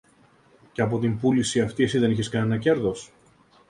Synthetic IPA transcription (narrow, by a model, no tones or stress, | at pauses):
ceɐp̬o̞t̪impulisiɐft̪iesiðe̞niçeskɐne̞nɐce̞ɾðo̞s